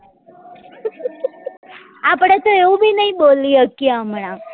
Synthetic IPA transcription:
apɽ̃et̪oeũbʱinəɦĩɓoliəkiamɳ̃ã

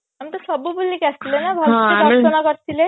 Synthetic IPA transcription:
amt̪əsəbubulːikast̪ilenabʱaɾɦɾtənakəɾt̪ile

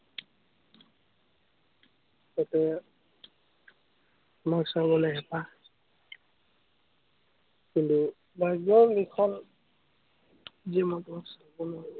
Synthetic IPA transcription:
kɔtɛ | tʊmaksaɹbɔlɔɦɛpa | kintu | bajɡɔɹlikʰɔn | ziɛmɔtʊmaksaɹbɔnɔ

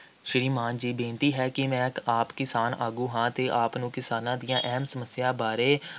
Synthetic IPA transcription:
ʃəɾiːmaːnd͡ʒiːbẽːnt̪iːɦɛːkɪmɛ̃ːaːpkɪsaːnʔaːɡuːɦãːt̪eːʔaːpnũːkɪsaːnãːd̪ɪjãːʔɛːmsəməsɪjaːbaːɾeː

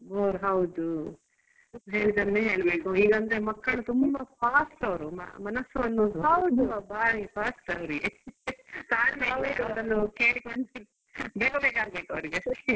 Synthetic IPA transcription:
ʋoːɾɦɐwd̪u | ɦeːɭid̪ɐɾneːɦe̞ːɭbeːkuiːɡɐnd̪ɾemɐkːɐɭut̪umbɐpʰaːsʈɐʋɐɾumɐ̰mɐnɐsuond̪uɦɐwd̪ubaːɾipʰaːsʈɐʋɾiɡe | t̪aːniɦaʋeɐʋɾɐnːukeːɽikoɳɖi | beːkobeːkaːɡ̚beːkɐʋɐɾiɡɐsʈe̥

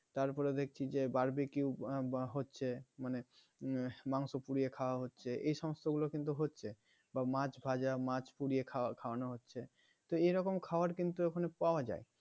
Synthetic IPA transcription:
t̪aɾpɔɾed̪ek̚ʰt͡ɕʰid͡ʑebaɾbekiuɦotːɕʰemane | maŋsopuɾiekʰaoaɦotːɕʰeʔejʃɔmost̪oɡulokint̪uɦotːʰe | bamat͡ɕbʱad͡ʑamãt͡ɕpuɽiekʰakʰaoanoɦotːɕʰe | t̪oeɾɔkomkʰaoaɾkint̪uekʰanepaoad͡ʑa̰e

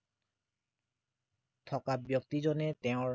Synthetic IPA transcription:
t̪ʰɔkabjok̚t̪id͡ʑonet̪eõ

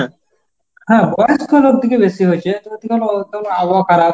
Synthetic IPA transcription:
ɦɛ̃bɔjskʰɔlok̚d̪ʱikebesiɦojt͡ʃʰet̪d̪ikɔlot̪olabakʰaɾab

